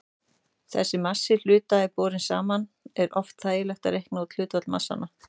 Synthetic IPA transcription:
θɛ̰sːɪmasːɪl̥ʏːt̪aɛpɔːɾɪnsa̰ːmanɛɾʔɔft̪θaːjɪlœht̪aðɾehknaut̪l̥ʏːt̪vat̪lma̰sːa̰nːa

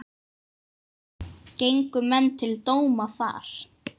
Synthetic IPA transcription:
cejŋkʏmɛnt̪ʰɪlt̪oːwmaθa̰ːɾ̥

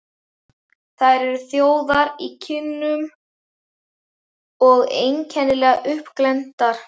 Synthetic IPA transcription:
θaðɾɛɾʏθjoːwðaɾicʰɪnːʏm | ɔɣejncʰɛnːɪlɛːɣaʔʏhpklɛnt̪aɾ̥

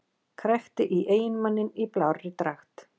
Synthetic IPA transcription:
kʰɾɛxt̪ɪʔiʔeːjɪnmanːɪniplawrɪt̪ɾaxt̪

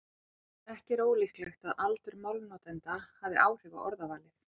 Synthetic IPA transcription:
ɛhcɛɾoːwlixt̪lɛxt̪aðalt̪ʏɾmawlnɔːt̪ɛnt̪ahavðɪ̰ʔaːwr̥ʏva̰ʔɔɾðavaːlɪθ

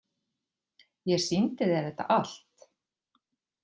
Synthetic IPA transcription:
jɛ̥sint̪ɪðɛθɛht̪ːa̰ʔal̥t̪

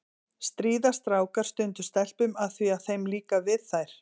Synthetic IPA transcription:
st̪ɾiːðast̪ɾaːwkaɾ̥st̪ʏnt̪ʏ̥st̪ɛl̥pʏmaðθviaðθejmliːkavɪðθajɾ̥

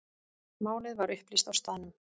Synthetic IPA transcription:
maːwlɪðvaɾʏhplist̪awst̪anːʏm

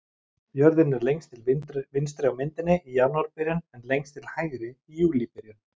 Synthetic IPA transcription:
pjœɾðɪnɛɾlejŋkst̪ʰɪlvɪnst̪ɾɛwmɪnt̪ɪnːɪijaːnuaɾpɪɾjʏnɛnlejŋkst̪ʰɪlhajɣɾɪijuːlipɛɾjʏn

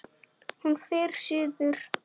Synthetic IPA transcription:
hunfɪːɾ̥sʏːðʏɾ̥

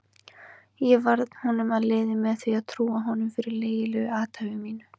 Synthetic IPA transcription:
jɛvaɾðn̥hunʏmaðleːðɪmɛðθviaðt̪ʰɾuːaɦɔnʏmfɪɾɪɾleːjɪlɛaːt̪ʰavɪmiːnʏ

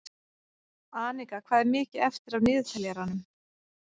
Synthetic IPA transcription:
aːnikakʰv̥aːðɛɾmɪːcɪɛft̪ɪɾawnɪːðfɛljaɾanːʏm

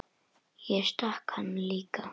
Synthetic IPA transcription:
jaʃt̪aχkʰanlɪka

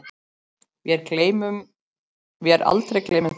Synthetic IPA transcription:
vɪɛɾklejmʏm | vɪɛɾʔa̰lt̪ɾejkleːjmɪ

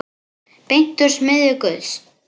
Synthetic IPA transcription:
pejn̥t̪ʏɾ̥smɪðɪkœðs

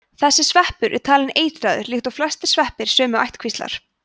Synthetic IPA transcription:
θɛsːɪsvɛhpʏɾʔɛ̰ɾ̥t̪ʰaːlɪneːjt̪ɾaðʏɾlixt̪awflast̪ɪ̥ɾ̥svɛhpɪɾ̥sœːmʏajht̪kʰvist̪a̰ɾ̥

